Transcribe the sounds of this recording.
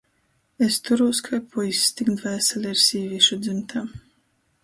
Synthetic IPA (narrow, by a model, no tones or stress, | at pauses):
est̪uɾuskʰajpʰujist̪ikd̪væːsalʲiɾsiːvʲiʃud̪zɨmt̪ʰaː